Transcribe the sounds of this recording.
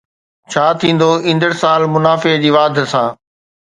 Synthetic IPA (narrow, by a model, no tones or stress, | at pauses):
t͡ɕʰaːt̪ʰĩːn̆d̪oĩːn̆d̪əɽsaːlmʊnaːfed͡ʑiːʋaːd̪ʱsãː